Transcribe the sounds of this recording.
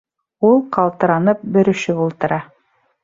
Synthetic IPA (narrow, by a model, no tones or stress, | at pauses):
ulˠqɑlˠt̪ɤ̆ɾɑnɤp̚bɘ̆ɾɵ̆ʃɵβulˠt̪ɤ̆ɾɑ